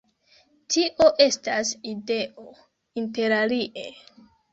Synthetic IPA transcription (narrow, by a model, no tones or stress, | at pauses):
tʰiʔo̞ʔe̞staside̞ʔo̞ | inte̞ɾaliʔe